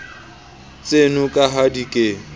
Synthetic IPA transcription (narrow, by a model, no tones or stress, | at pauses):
t͡sʼenʊkʼaɦadikʼe